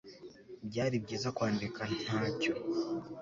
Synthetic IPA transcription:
bɟaːɾib̚ɟiːzakwaːndikan̥aːco̞

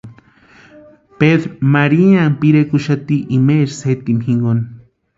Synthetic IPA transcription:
peðɾmaɾianpiɾekuʃat̪iʔimeɾset̪imxiŋɡon

